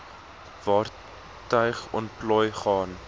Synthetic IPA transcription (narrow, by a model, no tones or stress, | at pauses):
vɑːr | tœɥχɔnplɔjχɑːn